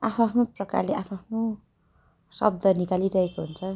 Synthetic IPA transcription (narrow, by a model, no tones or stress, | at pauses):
apʰnapʰnoprʌka̰rleapʰapʰno | sʌ̰b̚d̪ʱʌnikaliɾʌikoɦunt͡sʰʌ